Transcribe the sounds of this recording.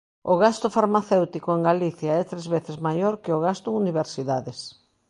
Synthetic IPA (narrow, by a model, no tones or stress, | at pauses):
ʊɣast̪ʊfaɾmaθewt̪ikoeŋɡaliθjaɛt̪ɾezβeθezmajoɾkɪoɣast̪ʊuniβ̞eɾsiðaðes